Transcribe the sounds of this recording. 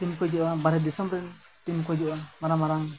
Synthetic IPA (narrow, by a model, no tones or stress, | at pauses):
t̪imkɔd͡ʒɔʔabaɾɛd̪isambɾɛn | t̪imkɔd͡ʒɔʔamaɾamaɾam